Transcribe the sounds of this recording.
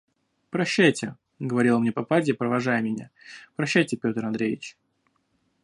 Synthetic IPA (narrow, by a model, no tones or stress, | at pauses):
pɾɐɕːæjtʲɪ | ɡəvɐɾʲilˠəmnʲepɐpadʲɪpɾəvɐʐajəmʲɪnʲa̰pɾɐɕːæjtʲɪpʲo̞t̪əɾɐnd̪ɾʲejʲɪ̰t͡ɕ